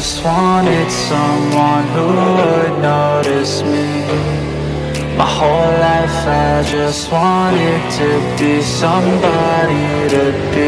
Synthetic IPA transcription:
ʌst̚wɑnɪd̥sʌ̃mwʌ̃nɦuədⁿnoʊɾɪsmi | maɪhoʊlllaɪfəzd͡ʒʌst̚wɑñɪd̚tʰɨbisʌ̃mbɑɾi | ɾɨb̥i

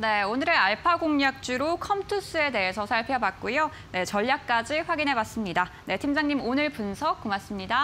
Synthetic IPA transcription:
ne̞onɯɾe̞aɭpʰaɡoŋɲak̚t͡ɕ͈uɾokʰʌmtʰus͈ɯe̞de̞ɦe̞sʰʌsʰaɭpʰjʌbak̚k͈ujo | ne̞t͡ɕʌʎːjak̚k͈ad͡ʑiɸwaɡinɦe̞bas͈ɯmɲida | ne̞tʰimd͡ʑaŋɲimonɯɭpunsʰʌk̚k͈umas͈ɯmɲida

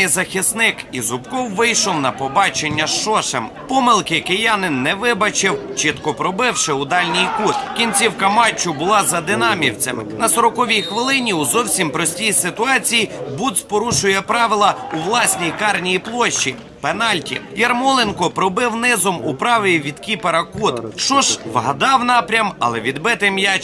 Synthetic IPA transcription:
zɐxʲisnɪkizʊpkɔwʋɪjʃɔwnɐpɔbɑt͡ʃenʲːɐʃʃɔʃempɔmɪlˠkɪkejɑnɪnːɛʋɪbɐt͡ʃɪwt͡ʃɪt̪kɔpɾɔbɪwʃɪʊd̪ɑlʲnʲijkut̪kʲinʲt͡sʲiwkɐmɑt͡ʃːʊbʊlˠɑzɐd̪ɪnɑmʲiwt͡sʲɐmɪ̰nɐsɔɾɔkɔʋʲijxʋɪlˠɪnʲiuzɔwsʲimpɾɔsʲtʲijsɪt̪ʊɑt͡sʲijibud̪spɔɾuʃʊjɛpɾɑʋɪlˠɐuʋlˠɑsʲnʲijkɑrnʲijiplˠɔʃt͡ʃːi | penɑlʲtʲḭjɐrmɔlˠenkɔpɾɔbɪwnɪzɔmʊpɾɑʋɪiʋʲid̪kʲipeɾɐkut̪ʃt͡ʃɔʒʋɦɐd̪ɑwnɑpɾʲɐmɐ̰lˠɛʋʲid̪bɪt̪ɪmja

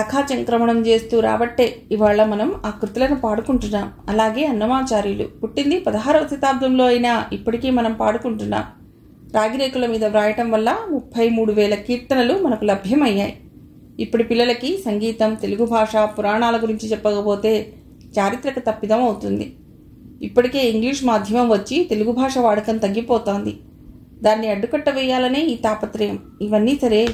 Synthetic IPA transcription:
sɐkʰaːt͡ʃɐŋkɾɐmɐɳɐmt͡ʃe̞ːst̪uːɾa̰ːbɐʈːe̞ːiʋaːɭːɐmɐnɐmaːkɾut̪ulɐnupaːɽukuɳʈunːaːmɐlaːɡe̞ːɐnːɐmaːt͡ʃaːɾjulṵuʈːind̪ipɐd̪ɐɦaːɾɐʋɐt̪ɐt̪aːb̚d̪ʱɐmlo̞ːɐjinaːipːɐʈikeːmɐnɐmpaːɽukuɳʈunːa̰ːm | ɾaːɡiɾeːkulɐmiːd̪ɐʋɾaːjɐʈɐmʋɐlːɐmupʰːɐjmuːɽuʋɛːlɐkiːɾt̪ɐnɐlumɐnɐkulɐbʱjɐmɐjːaːjiː | pːuʈipilːɐlɐkisɐŋɡiːt̪ɐmt̪eluɡubʱaːʂapuɾaːɳaːlɐɡuɾiɲt͡ʃit͡ʃɛpːɐkɐpoːt̪e̞ː | t͡ʃaːɾit̪ɾɐkut̪ɐpːid̪ɐmɐwut̪und̪ḭ | ipːɐʈike̞ːiŋɡliːʂmaːd̪ʱjɐmɐmʋɐt͡ʃːit̪e̞luɡubʱaːʂɐʋaːɽɐkɐnt̪ɐɡːipɔːt̪oːnd̪i | d̪aːnːiɐɖːukɐʈːɐʋɛːjːaːlɐne̞ːiːt̪aːpɐt̪ɾɐjɐm | iʋɐnːiːsɐɾe̞ː

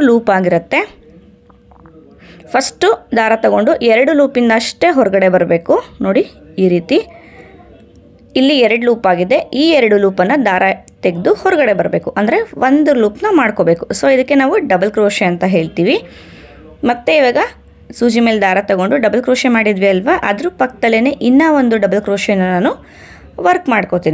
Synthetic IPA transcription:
luːpaːɡiɾɐt̪ːe̞ | pʰɐsʈud̪aːɾat̪ɐɡo̞ɳɖuʔɛɾɐɽuluːpind̪ɐːʂʈe̞ːɦɔɾɐɡɐɽe̞bɐɾbe̞ːkuno̞ːɽi | iːɾiːt̪i | ilːiɛɾɐɽluːpaːɡid̪e̞iːɛɾɐɽuluːpɐnːɐd̪aːɾat̪eɡd̪uhɔɾɐɡɐɽe̞bɐɾbe̞ːkuʔɐnd̪ɐɾe̞ʋond̪uluːpnɐmaːɽkoːbe̞ːkusoːid̪ɐkːe̞naːʋuɖɐbɐlkɾoːʃeɐnt̪ɐɦe̞ːɭt̪iːʋi | mɐt̪ːeiʋaːɡɐ | suːd͡ʒimeːld̪aːɾɐt̪ɐɡo̞ɳɖuɖɐbɐlkɾoːʃemaːɽid̪ʋiɐlʋaʔɐd̪ɐɾupɐkːt̪ɐlːeneʔinːɐʋond̪uɖɐbɐlkɾoːʂenːɐnaːnu | ʋɐɾkmaːɽkot̪iːni

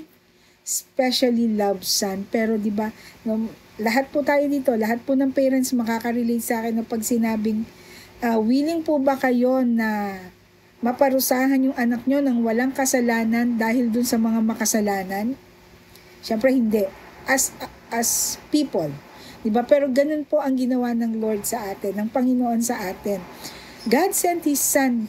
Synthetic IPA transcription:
spɛʃɐlilɐbsanpɛːɾo̞d̪ɪbanolɐɦat̪̚pʊt̪aːjo̞d̪iːt̪o̞lɐɦat̪̚pʊnɐŋpɛːɾɛnsmɐkaːkɐɾɪlejt̪sɐʔaːkɛnːɐpɐɡsɪnaːbɪŋ | ʔɐwiːlɪŋpʊbɐkɐjo̞nɐ | mɐpɐɾʊsaːɦɐnjʊŋʔɐnɐk̚ɲo̞nɐŋwɐlaŋkɐsɐlaːnɐnd̪aːɦɪld̪ʊnsɐmɐŋamɐkɐsɐlaːnɐn | ʃɛmpɾɛhɪnd̪ɛʔɐs | ʔɐspiːpold̪ɪbapɛːɾo̞ɡɐno̞npo̞ʔɐŋɡɪnɐwanɐŋlo̞ɹd̪̚sɐʔaːt̪ɪnːɐŋpɐŋɪnoʔo̞nsɐʔaːt̪ɪn | ɡad̪̚sɛnt̪hɪsːɐn

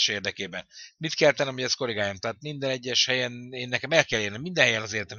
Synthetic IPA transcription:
ʃeːrd̪ɛkeːbɛnmit̪kɛlt̪ɛnːɛmhoɟɛst̪̚ko̞leɡaːjomt̪aːt̪mind̪ɛnɛɟːɛʃhɛjɛneːnːɛkɛmɛlkɛlːeːrnɛmːind̪ɛnɦɛjɛnɒzeːrt̪ɛm

